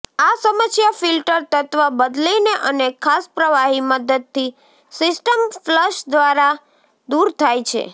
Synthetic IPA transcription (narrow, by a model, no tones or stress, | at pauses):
asəməsjafilʈəɾt̪ət̪ʋabəd̪lineʔənekʰaspɾəʋaɦiməd̪əd̪̚t̪ʰi | sɪsʈəmfləʃd̪ʋaɾa | d̪uɾt̪ʰajt͡ʃʰḛ